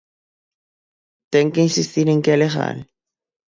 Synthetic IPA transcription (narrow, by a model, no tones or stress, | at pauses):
t̪eŋkeinsist̪iɾẽŋkealeɣa̰l